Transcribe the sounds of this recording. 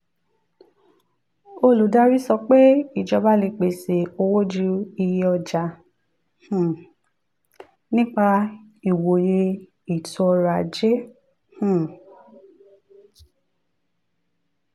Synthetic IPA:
o˦˨lu˨˦da˦ɾi˦sɔ˧k͡pe˦i˨d͡ʒɔ˧ba˦le˧k͡pe˨se˨o˧wo˦d͡ʒu˦i˧je˧˦ɔ˧d͡ʒa˧ | hũ˨ | nĩ˦k͡pa˧ | i˨wo˨je˧ | i˨to˨˧ɔ˧ɾa˨d͡ʒe˦ | hũ˨

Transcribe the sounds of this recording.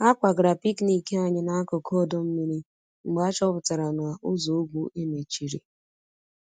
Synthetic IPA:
a˦kʷa˨ɡɾa˨pi˦kni˨ke˦a˨ɲɪ˦na˦a˦kɔ˨kʰɔ˦˨do˦m̩˦mi˦ɾi˦ | ŋ͡m̩˨ɡ͡ba˦t͡ʃɔ˦pʊ˨ta˨ɾa˨na˨ʔʊ˦zo˨u˦ɡʷu˨ʔe˦me˨t͡ʃi˨ɾḭ˨

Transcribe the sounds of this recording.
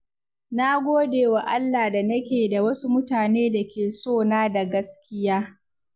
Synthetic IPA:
na˦ɡʷoː˦deː˨wa˨ʔa˦lːaː˨da˨nɐ˦kʲeː˨da˨wɐ˦su˦mʊ˦taː˨neː˦da˨kʲeː˨soː˦˨naː˦da˨ɡɐ˦skʲɪ˦jaː˦

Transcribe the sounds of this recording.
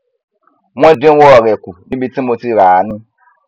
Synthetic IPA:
mɔ̃˦dẽ˦wo˦ɔ˨ɾɛ˨ku˨nĩ˦bi˦ti˦mo˧ti˦˨ɾa˨˦nĩ˦

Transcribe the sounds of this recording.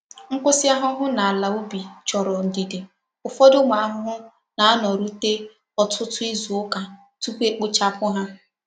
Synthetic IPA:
ŋ̩˦kʊ˦sɪ˦a˦ɦʊ˦ɦʊ˦na˨a˨la˨u˦bi˨t͡ʃɔ˨ɾɔ˨n̩˨di˨de˨ | ʊ˨fɔ˦dʊ˦ma˨a˦ɦʊ˦ɦʊ˦ | na˨a˦nɔ˨ɾu˦te˦ | ɔ˨tʰʊ˦tʊ˦i˦zu˨ʊ˦ka˨ | tu˦kʷe˦k͡pʊ˦t͡ʃa˦pʊ˦ɦa˦

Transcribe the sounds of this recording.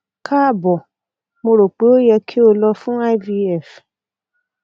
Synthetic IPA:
kʰa˦˨bɔ˨ | mo˧ɾo˨k͡pe˨˦o˦jɛ˧kʰi˦o˧lɔ˧fũ˦a˦jvi˧ɛ˦˨f

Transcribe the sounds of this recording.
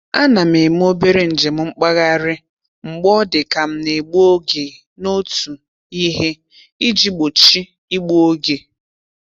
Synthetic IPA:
a˦na˨m̩˨e˨m̩˦o˦be˦ɾe˦n̩˨d͡ʒe˨m̩˨˦ŋ͡m̩˦k͡pa˦ɣa˦˨ɾɪ˦ | ŋ͡m̩˨ɡ͡bɔ˦dɪ˨ka˨m̩˦ne˨ɡ͡bo˦ɡe˨ | no˦tu˨ | i˦ɦe˦ | i˦d͡ʒi˦ɡ͡bo˨t͡ʃi˦ | i˦ɡ͡bu˦o˦ɡe˨

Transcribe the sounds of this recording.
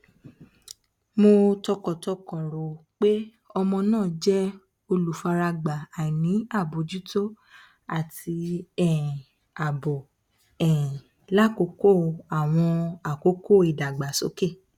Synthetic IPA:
mo˧tɔ˧kɔ˨tɔ˧kɔ̃˨ɾo˨k͡pe˦ | ɔ˧mɔ̃˧nãː˦˨d͡ʒɛ˦ | o˧lu˨fa˧ɾa˧ɡ͡ba˨a˨nĩ˨˦a˦˨bo˨d͡ʒi˨˦to˦ | a˨ti˧ɛ˦˨ | a˨bo˨ | ɛ˨ | la˦˨ko˧˦ko˦˨a˨w̃ɔ̃˧a˨ko˨˦ko˦˨i˨da˨ɡ͡ba˨so˨˦ke˦˨

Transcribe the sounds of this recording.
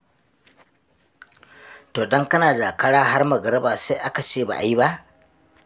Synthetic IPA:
toː˨dɔ˦ŋkɐ˦naː˨d͡ʒaː˨kɐ˦ɽaː˦ɦa˦rmɐ˨ɡɐ˨ɾɐ˦baː˨sa˦ʔa˦ka˨t͡ʃeː˦˨ba̰ː˨ʔa˨ji˦ba˦ʔ

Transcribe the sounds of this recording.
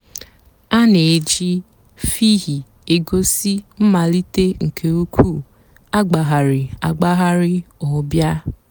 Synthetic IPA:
a˦ne˨d͡ʒi˦ | fi˦ɦi˨ | e˨ɡo˦si˦m̩˦ma˨li˦te˦ŋ̩˨kʰe˨u˦kʷʰu˦˨ | a˦ɡ͡ba˨ɦa˨ɾɪ˨a˨ɡ͡ba˦ɦa˦ɾɪ˦ɔ˨˦bja˦

